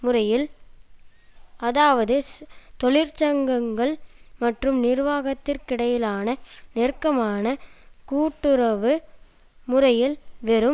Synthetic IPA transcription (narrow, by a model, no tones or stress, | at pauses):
mʊrɐjɪl | ɐðaːʋɐðɯt̪ɔɭɪɾt͡ʃɐŋɡɐŋɡɐɭmɐʈrɯmnɪɾʋaːɣɐt̪ːɪrkɪɽɐjɪlaːnɐnɪrkːɐmaːnɐkuːʈːɯɾɐʋɯ | mʊrɐjɪlʋɛɾɯm